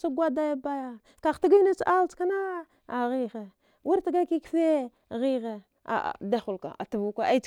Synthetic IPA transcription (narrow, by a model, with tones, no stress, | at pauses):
sa˦ɡʷa˦da˦ja˦ba˦ja˦ | ka˨xti˦ɡa˦na˦t͡sʔa˦lt͡ska˦na˦ | a˨ɣi˦ɣe˨ | wu˦ɾti˨ɡa˦ki˦kfe˦˨ | ɣi˦ɣe˨ | a̰˨da˦xu˨lka̰˨a̰˨tu˨vu˦ka˦ʔa˦i˦t͡s